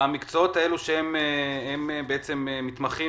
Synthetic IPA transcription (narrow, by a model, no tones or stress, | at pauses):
amikt͡soot̪ae̞luʃeemeemebeet͡se̞memit̪maχi